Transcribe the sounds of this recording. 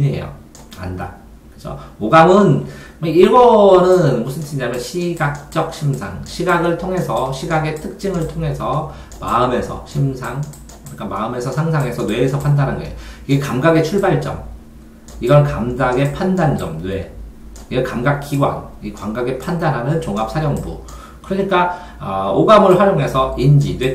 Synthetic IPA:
ɯɲiɦḛjo̰ | a̰nda̰ | kkɯesʰʌ̰oɡamɯn | eiɭɡʌnɯnmusʰɯntʰiiɲamjʌnɕʰiɡak̚t͡ɕ͈ʌk̚ɕʰimsʰa̰ŋɕʰiɡaɡɯɭtʰoŋɦe̞sʰʌɕʰiɡaɡe̞tʰɯk̚t͡ɕ͈imɯɭtʰoŋe̞sʰʌ | ma̰ɯme̞sʰʌ̰ɕʰimsʰaŋ | kɯɾik͈ama̰ɯme̞sʰʌsʰaŋsʰaŋe̞sʰʌnwe̞ːsʰʌpʰandanɦanɡʌḛjoiɡekamɡaɡe̞t͡ɕʰuɭbaɭt͡ɕ͈ʌm | iɡʌnkamdaɡe̞pʰandand͡ʑʌmnwe | iɡekamɡak͈ʰːiɡwa̰ŋikwaŋɡaɡe̞pʰandanɦanɯnt͡ɕoŋap̚sʰajoŋbṵ | kɯɾʌɲik͈a | ʌoɡamɯɭɸwaɾjoŋɦe̞sʰʌind͡ʑidwe

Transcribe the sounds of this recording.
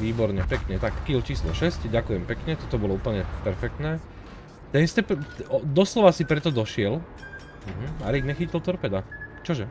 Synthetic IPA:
ʋiːbɔɾɲɛpɛkɲɛt̪akːilt͡ʃiːslɔ̰ʃɛscɟakujɛmpɛkɲɛt̪ɔt̪ɔbɔlɔupl̩ɲɛpɛɾfɛk̚t̪nɛː | t̪ɛnist̪ɛp̪ɔd̪ɔslɔʋasipɾɛt̪ɔd̪ɔʃɪɛl | m̩ɦm̩aɾiɡɲɛxicilt̪ɔɾpɛd̪at͡ʃɔʒɛ

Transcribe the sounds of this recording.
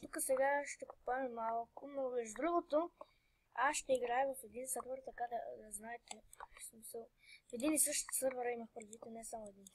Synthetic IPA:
t̪ukəsɛɡaʃt̪ɛkʊ̥pːamɛmalˠakunobɛʒd̪ɾuɡot̪o | aʃt̪ɛiɡɾajɛvɐfed̪insəɾvəɾt̪ɐkad̪ɐd̪ɐznajɛt̪ɛsmisɛ | fed̪inisəʃt̪o̥səɾvəɾɐimaxpɾzit̪enɛsamʊed̪in

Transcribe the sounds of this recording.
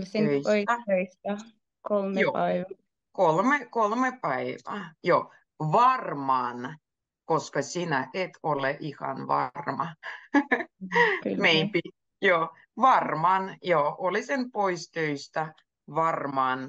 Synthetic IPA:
søisøis | kolmjoː | kolmekolmepæiʋɑːjoː | ʋɑrmɑːn | koskɑsinæʔet̪ʰoleʔihɑ̰nʋɑ̰rmɑ | meimpi | joː | ʋɑrmɑːnjoʔolisenpoist̪øist̪æ | ʋɑrmɑːn

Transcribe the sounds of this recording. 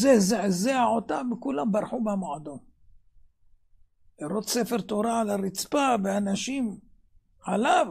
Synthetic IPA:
zezeʕzeaʕot̪amekulambaɾħubamoʕad̪om | liɾot̪sefe̞ɾt̪oɾaʕalaɾit͡spaveanaʃim | ʕalav

